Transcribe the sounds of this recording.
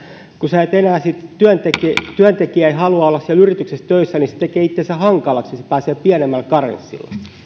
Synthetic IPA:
kuseet̪enæːsit̪t̪yænt̪ekt̪yænt̪ekiæeihɑluɑolːɑssiælyrit̪yksest̪øisːænise̥t̪ekeːit̪ːensæhɑŋkɑlɑksisepæːseːpiænemːælkɑrḛnsːḭlːɑ̰st̪

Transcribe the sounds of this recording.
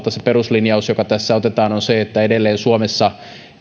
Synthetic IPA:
t̪ːɑseperuslinjɑusjokɑt̪æsːæot̪et̪ɑːnonseet̪ːæedelːeːnsuomesːɑ

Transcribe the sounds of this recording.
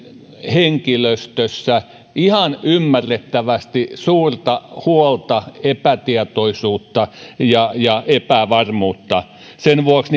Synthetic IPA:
heŋkiløst̪øsːæ | ihɑnymːærːet̪ːæʋæst̪isuːrt̪ɑhuolt̪ɑepæt̪iet̪oisuːt̪ːɑjɑjɑepæʋɑrmuːt̪ːɑ | senʋuoksn

